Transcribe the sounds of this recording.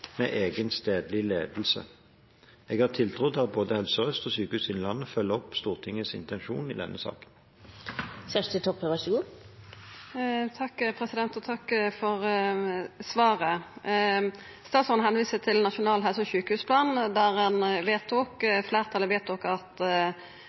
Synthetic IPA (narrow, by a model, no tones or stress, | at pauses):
mḛːʔeːɡənst̪eːd̪lɪleːd̪l̩sə̰ | eːɡhɑːʁt̪ʰɪlt̪ʰɾʊd̪ɑt̪̚boːd̪əhɛlsɔʁœst̪ɔsyːkəhʉːsɪnlɑnːəfœlːəɔpst̪uːʁt̪ʰɪŋːəsɪ̰nt̪ɛnʃṵːnɪ̰d̪ɛ̰nːʔəsɑ̰ːkən | sæʂt̪ɪt̪ʰɔpʰːəʋæʂəɡuː | t̪ʰɑkːpʰʁɛsɪd̪ɛnt̪ɔt̪ʰɑkːfɔʁ | sʋɑːʁə | st̪ɑːsɔnɦɛnʋiːsət̪ʰɪlnɑʃʊnɑːlɦɛlsɔçʉːkəhʉːspʰlɑːnd̪æʁɛnʋeːt̪ʰuːkflæːʁt̪ʰɑlɪʋeːt̪ʰuːkɑt̪